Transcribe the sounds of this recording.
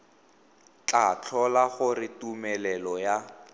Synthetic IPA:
t͡ɬat͡ɬʰɔlaɣʊrɪtumɛlɛlɔja

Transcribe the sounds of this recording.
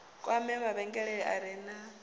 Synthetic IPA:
kʼwamɛβaβɛŋɡɛɺɛɺɛʔaɾɛːna

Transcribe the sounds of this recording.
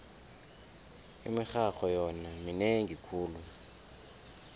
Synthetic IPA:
ḭmixaxɔjɔnamineŋikʰuːlu

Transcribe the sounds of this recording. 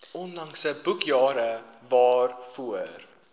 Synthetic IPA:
ɔnlɐŋsəbukjɑːɾəvɑːrfuər

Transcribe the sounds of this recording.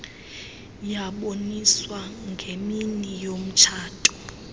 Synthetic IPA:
jaɓoniswaŋɡʱeminijom̩t͡ʃʰaːtʰʼu̥

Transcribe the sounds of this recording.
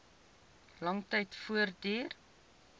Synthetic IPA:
lɐŋtɛjtfuərdiːr

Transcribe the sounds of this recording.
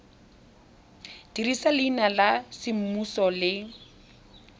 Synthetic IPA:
d̥irisalɪiːnalasɪm̩musɔlɪ

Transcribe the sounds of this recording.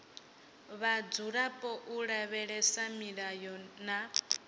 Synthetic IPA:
βad͡zuɺapʼɔʔuɺaβɛɺɛsamiɺajɔna

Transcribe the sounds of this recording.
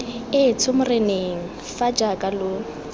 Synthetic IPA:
ɪt͡sʰʊmʊreneŋ̩ | fad͡ʒakʼalʊ

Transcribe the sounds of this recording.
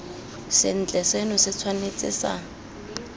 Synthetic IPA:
sɪn̩t͡ɬʼɛsenʊsɪt͡sʰwanet͡sʼɪ̰ːsa̰

